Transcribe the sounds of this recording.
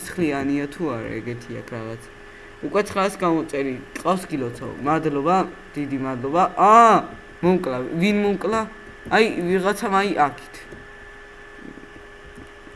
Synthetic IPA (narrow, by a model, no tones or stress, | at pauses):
sχlianiat̪ʰuaɾa̰ɛɡɛt̪ʰia̰kʰɾaʁat̪sʰ | ukʼwɛt̪sʰχɾasɡamɔt̪sʼɛɾiqʼafsɡilɔt̪sʰɔ̰mad̪lɔbad̪̥id̪imad̪lˠɔbaʔa | mɔmkʼlavinmɔmkʼlaː | jviʁat̪sʰamajiʔakʰi̥t̪ʰ